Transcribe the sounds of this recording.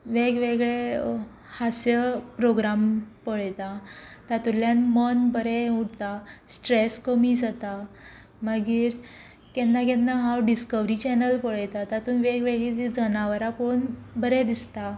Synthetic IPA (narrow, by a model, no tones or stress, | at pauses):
ʋeɡʋeɡɭe | hasjəpɾoɡɾampəɭjt̪at̪at̪uljanmənbəɾɛuɽt̪asʈɾeskəmid͡zat̪a | maɡiːɾ | kɛnːakɛ̃nːaɦawɖiskəʋɾit͡ɕɛnəlpəɭjt̪at̪at̪uːnʋeɡʋeɡɭit̪id͡zənaʋəɾaponbəɾɛd̪ist̪a